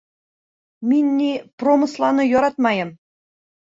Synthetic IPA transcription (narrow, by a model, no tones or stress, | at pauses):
mʲinʲːipromɤ̆slˠɑnɤ̆joɾɑt̪mɑjɤ̆m